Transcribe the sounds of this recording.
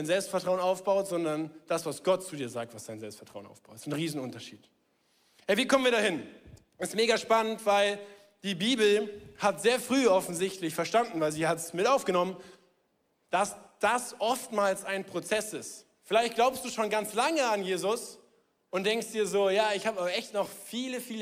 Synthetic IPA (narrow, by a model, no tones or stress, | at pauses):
aɪnzɛlpstfɛɐtʁ̥aʊənaʊfb̥aʊtz̥ɔndɐnd̥asv̥asɡ̥ɔtt͡sudiːɐzaːk̚tv̥asd̥aɪnzɛlpstfɛɐtʁ̥aʊənʔa̰ʊfb̥aʊtsnʁiːzn̩ʔʊntɐʃḭːt | hɛviːkʰɔmənviːɐɾaːhɪn | ʔɛstmeːɡaʃpanəntv̥aɪl | d̥iːbiːbl̩hatz̥eːɐfʁ̥yːɔfn̩zɪçtlɪçfɛɐʃtandn̩vaɪlziːhatsmɪtʔaʊfɡ̥ənɔmən | d̥asd̥asʔɔftmaːlsaɪnpʁ̥ot͡sɛsɪst | fɪlaɪçt̚ɡ̥laʊpstd̥uːʃoːnɡant͡slaŋəanjeːzʊs | ʔʊntd̥ɛŋkstd̥iːɐzoːjaːɪçhaːbabɐɛçtnɔχfiːləfiːlə